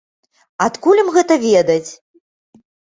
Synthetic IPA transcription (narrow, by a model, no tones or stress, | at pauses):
at̪kulʲɐmɣɛt̪ɐvʲɛd̪ɐt͡sʲ